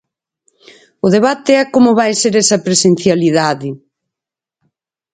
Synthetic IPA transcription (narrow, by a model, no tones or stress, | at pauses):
ʊðeβ̞at̪ɪɛkomʊβajseɾɛsɐpɾesen̟θjaliðaðɪ